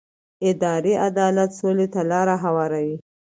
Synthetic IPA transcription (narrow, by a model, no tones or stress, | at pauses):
ɪd̪ɑɾeʔad̪ɑlat̪solet̪alɑɾaɦawɑɾawi